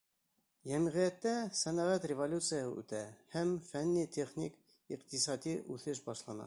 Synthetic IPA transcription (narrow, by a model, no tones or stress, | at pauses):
jæmʁijæt̪ːæsænæʁæt̪rʲɪvolʲut̪sɨjəhɤ̰ʉ̰t̪æhæmfænːit̪ʲʰeχnʲik | iqt̪isɑd̪iʔʉθɘʃbɑʃlˠɑnɑ̰